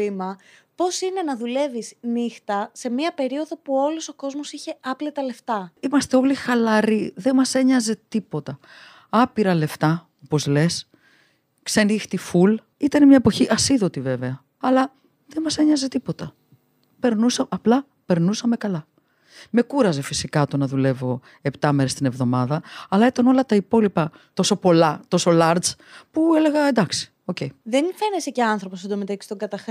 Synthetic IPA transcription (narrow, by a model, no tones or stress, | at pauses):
imɐpo̞sine̞nɐðule̞visnixt̪ɐse̞miɐpe̞ɾio̞ðo̞puo̞loso̞ko̞zmosiçe̞ɐplit̪ɐle̞ft̪ɐimɐst̪e̞o̞lixɐlɐɾiðe̞mɐse̞ɲɐze̞t̪ipo̞t̪ɐ | ɐpiɾɐle̞ft̪ɐ | o̞po̞zle̞s | ksenixt̪iful | it̪ɐnemɲɐepo̞çiʔɐsiðo̞t̪ive̞ve̞ɐ | ɐlɐ | ðenmɐseɲɐzet̪ipo̞t̪ɐ | pe̞ɾnusɐɐplɐ | pe̞ɾnusɐme̞kɐlɐ | me̞kuɾɐze̞fisikɐt̪onɐðule̞vo̞ | e̞pt̪ɐme̞ɾest̪ine̞vðo̞mɐðɐɐlɐit̪ɐno̞lɐt̪ɐipo̞lipɐ | t̪o̞so̞po̞lɐt̪o̞so̞lɐɾd̪zpue̞le̞ɣɐend̪ɐksi̥ | o̞ce̞iðenfe̞neseceɐnθɾoposond̪omet̪ɐki̥st̪oɡɐt̪ɐx